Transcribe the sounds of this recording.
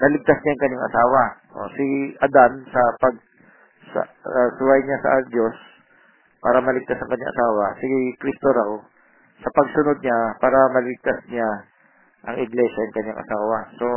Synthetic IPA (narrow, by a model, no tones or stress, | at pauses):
nɐlɪɡ̚t̪asɲajʊŋkɐɲːaŋʔɐ̰saːwɐʔo̰sɪʔɐd̪ansɐpɐɡ̚ | sɐ̰sʊwajɲasɐ̰d̪o̞s | pa̰ːɾɐmɐlɪɡ̚t̪asɐŋkɐɲːa̰ʔɐ̰saːwɐsɪkɾist̪oɾɐko | sɐpɐɡ̚sʊno̞d̪̚ɲapaːɾɐmɐlɪɡ̚t̪asɲa | ʔɐŋɪɡlɛʃɐjʊŋkɐɲːaŋʔɐ̰saːwɐso̞